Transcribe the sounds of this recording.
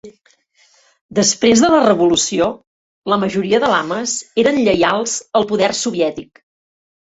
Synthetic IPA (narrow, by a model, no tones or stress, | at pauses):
d̪əspɾezðələrəβulusio | ləməʒuɾiəðəlaməzeɾənʎəjalˠz̥əlˠpuðɛrsuβiɛt̪ik